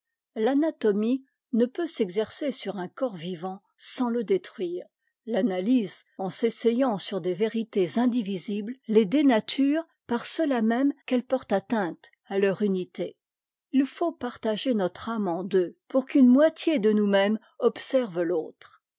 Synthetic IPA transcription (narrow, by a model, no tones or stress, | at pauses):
lanat̪ɔmi | nəpøsɛɡzɛʁsesyʁɛ̃kɔʁvivɑ̃ | sɑ̃ləd̪et̪χɥiːʁ | lanalizɑ̃sesɛjɑ̃syʁd̪eveʁit̪ezɛ̃d̪iviziblled̪enat̪ʰyːʁ | paʁsəlamɛmkɛlpɔʁt̪at̪ɛ̃t̪ | alœʁynit̪e | ilfopaʁt̪aʒenɔt̪χamɑ̃d̪øpuʁkynmwat̪ʰjed̪ənumɛm | ɔpsɛʁvloːt̪χ